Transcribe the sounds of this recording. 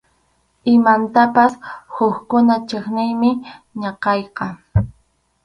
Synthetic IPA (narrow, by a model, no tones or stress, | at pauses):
ɪmant̪apashʊxkʊnat͡ʃeχnɪjmɪɲɑqɑjqɑ